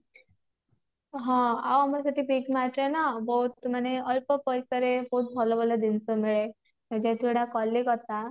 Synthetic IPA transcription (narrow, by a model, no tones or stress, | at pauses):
ɦãa̰wamasaʈiːpikmaʈ̪lenabəut̪məneəlpəpəjsəɾebout̪̚bʱɔlɔbɔləd̪int͡səmiɭe | mad͡ʑat̪ʰiɽakɔlːikɔt̪a